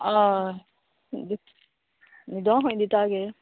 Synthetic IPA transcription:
a | d̪i | nid̪ɔ̃ːɦõnd̪it̪aːɡe

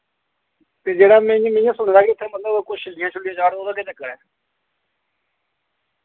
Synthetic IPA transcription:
t̪eːd͡ʒeːɽaːmɛ̃ːmẽjãːsʊɳ̃d̪aːkɪʊt̪ʰːẽːmət̪ləbkʊt͡ʃɪlːɪjãːt͡ʃʰʊlːɪjãːd͡ʒaːɽd̪oːd̪aːkeːt͡ʃəkːəɽɛː

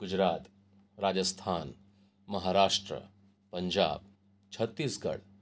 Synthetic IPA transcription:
ɡ̥ʊd͡ʒɾaːt̪ | ɾaːd͡ʒəst̪ʰaːn | mɐɦaɾaːʂʈɾə̰ | pəɲd͡ʒa̰ːb̚ | t͡ʃʰɐt̪ːiːsɡɐ̰ɽ

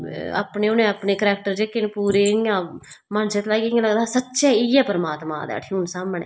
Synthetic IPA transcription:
a̰ːpneːʊnẽːaːpneːkɾɛːk̚ʈəɾd͡ʒeːkenpuːɾeːjãː | mənset̪laːikejãləɡd̪aːsətːʃɛːiːɛːpəɾəmaːt̪mã̰ːd̪ɛ̰ːʈʰːuːnsaːmɳḛː

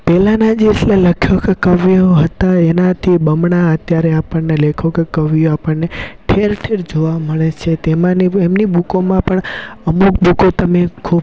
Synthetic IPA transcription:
pɛlanad͡ʒeslaləkʰjokekəʋijoɦət̪aenãt̪ʰibəmɳaət̪jaɾeapəɳnelekʰokekəʋijoapəɳneʈʰeɾʈʰeɾd͡ʒoʋaməɭet͡ʃʰet̪emãniemnibukomãpəɳəmuk̚bukot̪əmekʰub

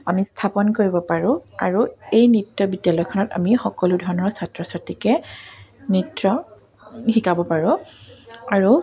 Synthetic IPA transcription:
amistʰapɔnkoɹibɔpaɹʊ̃aɹuejnitːɔbidjalɔjkʰɔnɔta̰mixɔkɔludʱɔɹɔnɔɹsatɹɔsatːikɛ | nitɹɔ | hikabɔpaɹʊ̃ | aɹu

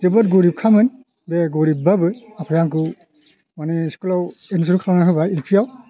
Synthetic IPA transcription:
zɯbɔt̚ɡoɾip̚kʰamɯn | beɡoɾibabɯapʰajaŋkɯ | maneskulawenusuɾukʰalanakɯbailpʰijaw

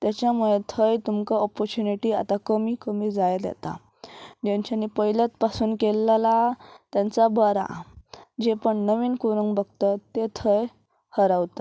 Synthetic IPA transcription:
t̪jat͡ɕjamuɭet̪ʰəjt̪umkaɔpɔɾt͡ɕuniʈiːa̰t̪akəmiːkəmiːd͡zajd̪jɛ̰t̪a̰ | d͡ʑãɲt͡ɕaniːpəɦiljat̪pasuːnkelːalat̪jãnt͡sabəɾa̰d͡ʑepəɳnəʋiːnkuɾuŋɡbəɡt̪ət̪ːet̪ʰəj | həɾaʋt̪a

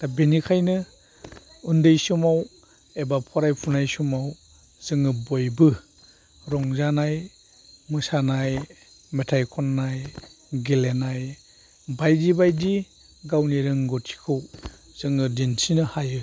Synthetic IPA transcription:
tabenikʰajnɯ | undɯjsumaw | ebapʰɔɾajpʰunajsumaw | z̥ɯŋɯbɔjbɯ | ɾɔŋzanaj | mɯsanaj | metʰajkʰɔnːaj | ɡelenaj | bajdibajdi | ɡawniɾɯŋɡɔtʰi̥kʰɯw | z̥ɯŋɯdinsinɯhajɯ

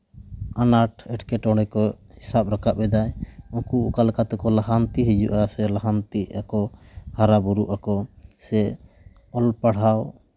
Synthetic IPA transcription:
anaʈɛʈkɛʈɔ̃ɽɛkɔ | hisap̚ɾakaʔ̚bɛd̪ajɔ̃kukalkat̪ɛkɔlaɦant̪iɦid͡ʒṵʔasɛlaɦant̪iʔakɔhaɾabuɾuʔakɔsɛ | ɔlpaɽ̤aw

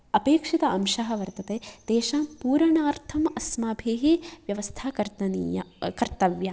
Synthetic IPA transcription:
ɐpeːkʂit̪ɐɐmʃɐɦɐ̆ʋɐɾt̪ɐt̪eːd̪̥eːʃaːmpuːɾɐɳaːɾt̪ʰɐmɐsmaːbʱeːɦeʋjɐʋɐst̪ʰaːkɐɾt̪ɐnikɐɾt̪ɐʋjaː

